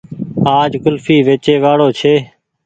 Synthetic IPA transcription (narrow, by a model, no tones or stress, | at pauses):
aːd͡ʒkʊlfiːʋeːt͡ʃeːʋaːɽoːt͡ʃʰeː